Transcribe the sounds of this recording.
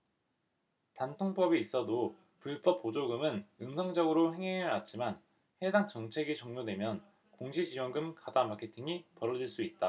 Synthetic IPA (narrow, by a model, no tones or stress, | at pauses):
tantʰoŋp͈ʌbiːs͈ʌdo | puɭp͈ʌp͈ːod͡ʑoɡɯmɯnɯnsʰʌŋd͡ʑʌɡɯɾoɦe̞ŋeɯat̚t͡ɕ͈ʰiman | he̞daŋt͡ɕʌŋt͡ɕʰe̞ɡit͡ɕʌŋɲodwe̞mjʌn | koŋɕʰid͡ʑiwʌŋɡɯmkadamakʰe̞tʰiŋipʌɾʌd͡ʑiɭs͈uit̚t͈a